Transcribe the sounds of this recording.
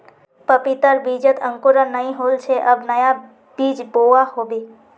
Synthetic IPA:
pəpit̪əɾbid͡ʒət̪ʰə̃ŋkoɾənəĩɦoːlt͡ʃʰeʔəbnəja | biːd͡ʒboahobiː

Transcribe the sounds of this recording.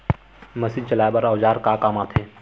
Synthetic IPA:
mɐsit͡ʃɐlaːjbɐɾaːʋd͡ʒaːɾkaːkaːmaːt̪ʰeː

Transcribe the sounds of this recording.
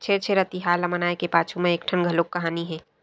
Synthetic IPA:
t͡ʃʰeɾt͡ʃʰeɾət̪iɦaːlɐmənaːekepaːt͡ʃʰumẽeːk̚ʈʰənɡʱəloːkːɐɦaːniɦɛ̃ː

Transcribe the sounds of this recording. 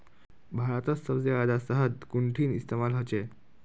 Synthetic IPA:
bʱaɾat̪əssəwsead̪asəɦəd̪kuɳʈʰiːnist̪emalɦət͡ɕe

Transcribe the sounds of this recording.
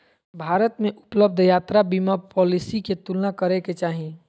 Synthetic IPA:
bʱaːɾət̪mẽʔʊpləb̚d̪ʱjaːt̪ɾabimapɔːlisiket̪ulnakəɾeket͡ʃaːɦĩ

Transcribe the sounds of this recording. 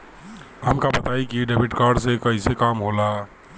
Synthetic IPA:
ɦəmkabət̪aikiɖebiʈkaɖsekəɦisekamɦola

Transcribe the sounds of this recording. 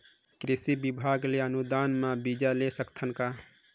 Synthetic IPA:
kɾisibibʱaɡleənud̪anmabid͡ʒalesəkt̪ʰənka

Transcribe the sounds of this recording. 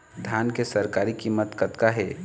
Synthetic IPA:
d̪ʱjaːnkesɐɾkaːɾikimːət̪kət̪kaɦɛː

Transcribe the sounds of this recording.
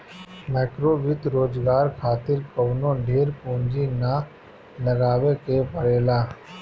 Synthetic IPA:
mɛːkɾoːʋɪt̪ɾoːd͡ʒɡaːɾkʰaːt̪ɪɾkəʋnõɖʱeːɾpõːnd͡ʒina | ləɡaːʋekepəɽeːlaː

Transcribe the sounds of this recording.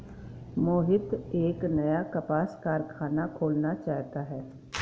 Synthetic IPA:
moːɦɪt̪eːknɐjakɐpaːskaːɾkʰaːnakʰoːlnat͡ʃaːɦt̪aɦɛː

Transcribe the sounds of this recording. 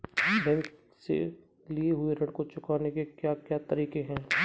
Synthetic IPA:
bɛ̃ːŋk | sḛ | lieɦʊeɾɐ̃ɽkot͡ʃʊkaːnekekjaːkjaːt̪ɐɾiːkẽɦɛ̃ː

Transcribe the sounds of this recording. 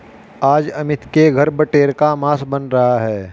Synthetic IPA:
aːd͡ʒɐmɪt̪keɡʱɐɾbɐʈeːɾkamaːsbɐnɾɐɦaɦɛː

